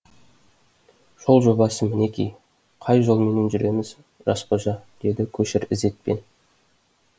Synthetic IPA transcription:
ʒ̥o̞lˠʒo̞bɑsəmɪne̞kʲḭj | qʰɑjʒo̞lˠme̞ne̞nʒʏɾe̞mɪz | ʒɑsqoʒɑd̪̥e̞d̪ɪkʲʰɵʃɪɾɪze̞t̪̚pe̞̰n

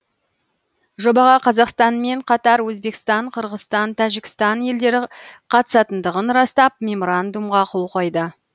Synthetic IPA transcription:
ʒo̞bɑʁɑqʰɑzɑqst̪ɑnme̞ɴqʰɑt̪ɑɾwɵzbe̞kʲst̪ɑɴqʰəɾʁəst̪ɑnt̪ʰæʒɪkʲɪ̥st̪ɑnje̞ld̪e̞ɾɪqʰɑt̪ə̥sɑt̪ənd̪əʁənɾɑst̪ɑp̚mʲe̞mo̞ɾand̪umʁɑqʰolˠqʰo̞jd̪ə

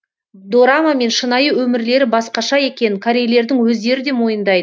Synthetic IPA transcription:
d̪o̞ɾamame̞nʃənɑjəwɵmɪɾle̞ɾɪbɑsqɑʃɑje̞kʲe̞nɪkʰaɾʲejle̞ɾd̪ɪŋwɵzd̪e̞ɾɪd̪e̞mo̞jənd̪ɑjd̪ə

